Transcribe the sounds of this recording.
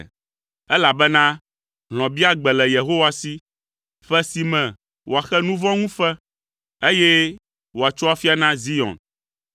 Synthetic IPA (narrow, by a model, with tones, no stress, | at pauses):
ɛ˦la˨bɛ˦nã˦ | ɦl̃ɔ̃˨bi˦a˦ɡ͡bɛ˨lɛ˨je˨ɦo˦wa˦si˦ | ɸɛ˦si˨mɛ̃˨ | wo˨a˨xɛ˦nũ˦vɔ̃˦ŋũ˦fɛ˦ | e˦jɛ˦ | wo˨a˨t͡ʃo˦a˦fi˦a˦nã˦zi˦ɔ̰̃˨n